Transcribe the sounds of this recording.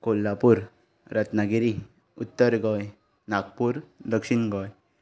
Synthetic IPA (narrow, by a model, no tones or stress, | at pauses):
kolːapuɾ | ɾət̪naɡiɾi | ut̪ːəɾɡɔj | nak̚puɾd̪əkʂinɡɔj